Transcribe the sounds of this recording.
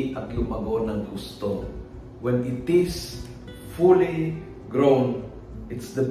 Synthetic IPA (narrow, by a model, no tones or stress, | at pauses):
ʔʔɐt̪lʊmɐɡonɐŋɡust̪o | wɛnɪt̪ɪs | fuli | ɡɹown | ʔɪt̪sd̪ɐ